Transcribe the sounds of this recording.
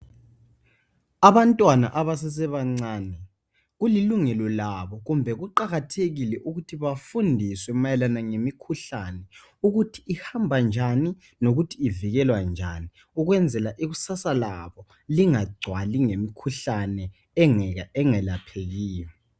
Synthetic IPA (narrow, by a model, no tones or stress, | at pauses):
aβantʼwana̰ʔaβas̬ɛs̬ɛβaŋ͡ǀaːnɛ | ɣuliluŋɛlɔlaβɔɣumbʱɛɣuǃaɣatʰeɣilɛʔuɣutʰiβafundʱiswɛmajɛlanaŋemikʰuɬanɛ | uɣutʰi̥ːhambʱand͡ʒʱani | noɣutʰiːviɣɛlwand͡ʒʱani | uɣwɛnd͡zʱɛlaʔiɣusasalaβɔ | liŋaɡ͡ǀʱwaliŋemikʰuɬanɛ | ŋɛŋɛlapʰeɣiːjɔ